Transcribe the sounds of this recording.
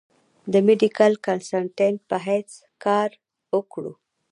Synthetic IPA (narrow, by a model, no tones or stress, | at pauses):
d̪əmeɖikalkansaɳʈeɳʈ̚pəɦajt͡s | kɑɾ | wəkɽṵ